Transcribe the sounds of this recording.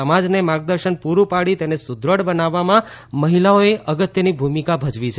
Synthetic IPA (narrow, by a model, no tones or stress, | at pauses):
əmad͡ʒnemãɡ̚d̪əɾʃənpuɾupaɽit̪enesʊd̪ɾəɽbənaʋːamãməɦilaoeʔəɡət̪jənibʱumikabʱəd͡ʒʋit͡ʃʰ